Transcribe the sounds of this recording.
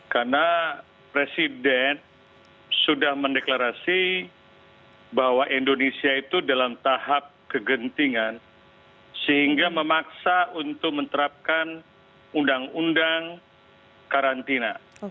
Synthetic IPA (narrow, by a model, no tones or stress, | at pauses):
karna | pɾesidɛn | sudahməndeklaɾasi | bawaʔindonesiait̪udalamt̪ahap̚kəɡənt̪iŋan | səɦiŋɡaməmaksaunt̪ʊk̚mənt̪əɾap̚kan | undaŋundaŋ | kaɾant̪ina